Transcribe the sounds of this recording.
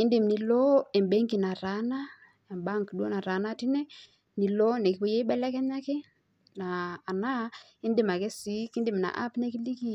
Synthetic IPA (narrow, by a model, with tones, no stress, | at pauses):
i˦ndɪ˨mni˨lɔ˦ɛ˨mbɛ˦ŋɡi˨na˨ɾa˨˦na˦ | ɛ˨mba˦ŋkɗwo˦na˨ɾa˨˦na˦ti˦nɛ˦ | ni˨lo˦nɛ˨ki˨˦wɔ˦jɛ˦ɓɛ˦lɛ˦kɛ˦ɲa˦kɛ˦ | naː˨na˦ | ɪ˦ndɪ˨ma˨kɛ˦si˨˦ki˦ndɪ˨m˨na̰˨ʔa̰˦pnɛ˦ki˦li˦ki˦